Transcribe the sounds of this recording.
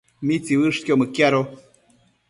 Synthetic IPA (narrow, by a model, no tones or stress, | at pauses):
mit͡siwɨʂkjomɨkjaɾo